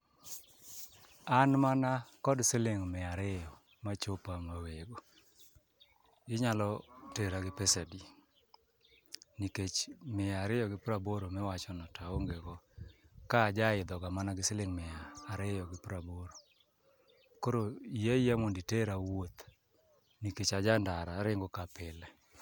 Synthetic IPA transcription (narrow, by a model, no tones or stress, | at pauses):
anmanakɔdsɪlɪŋmɪaɾɪjɔ | mat͡ʃopamaweɡo | ɪɲalɔteɾaɡɪpɛsɛdi | niket͡ʃmɪaɾɪjɔɡɪpɾaboɾomɪwat͡ʃɔnɔtʰaoŋɡeɡɔkaːd͡ʒaɪd̪ɔɡamanaɡɪsɪlɪŋmɪaːɾɪjɔɡɪpɾaboɾo | koɾoijeijamonditeɾawot̪ | niket͡ʃad͡ʒandaɾaɾɪŋɡokapɪlɛ